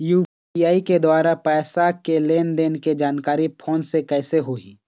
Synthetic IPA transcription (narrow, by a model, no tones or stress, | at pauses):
juː | ijaːiked̪waːɾapɛːsakeleːnd̪eːnked͡ʒaːnkaːɾipʰoːnsekɛːseɦoːiː